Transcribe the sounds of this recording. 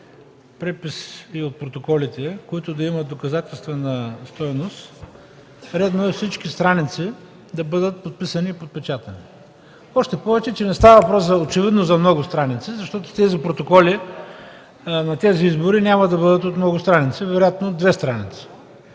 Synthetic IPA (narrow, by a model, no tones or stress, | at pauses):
pɾɛpisiot̪̚pɾot̪okɔlit̪ɛkoit̪ʊd̪ɐimɐt̪̚d̪okɐzat̪ɛlˠst̪vɛnəst̪ɔjnost̪ | ɾɛd̪noɛfsit͡ʃk̟ist̪ɾanit̪si | d̪ɐbɤd̪ət̪̚pot̪̚pisɐniːpot̪̚pɛt͡ʃat̪ɐni | ɔʃt̪ɛpɔvɛt͡ʃɛt͡ʃɛnɛst̪avəvɐpɾɔszɐot͡ʃɛvid̪nozɐmnɔɡʊst̪ɾanit̪sizɐʃt̪ɔt̪ʊ̥t̪ɛzipɾot̪okɔli | nɐt̪ɛziizbʊɾinʲamɐd̪ɐbɤd̪ət̪ot̪mnɔɡʊst̪ɾanit̪sivɛɾojat̪noːd̪vɛst̪ɾanit̪si̥